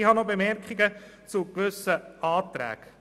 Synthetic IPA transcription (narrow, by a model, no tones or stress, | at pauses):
hɑnobemɛɾkχiɡət͡sukʋɵsəʔɑːt̪ɾæ̰ːɡ̥